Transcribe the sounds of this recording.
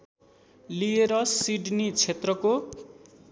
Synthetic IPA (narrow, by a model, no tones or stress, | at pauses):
lieɾʌsiɖnit͡sʰet̪rʌko